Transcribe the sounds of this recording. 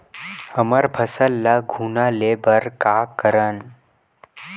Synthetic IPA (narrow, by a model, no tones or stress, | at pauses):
həməɾbʰʱəsəlːaɡʱunalebəɾkaːkəɾan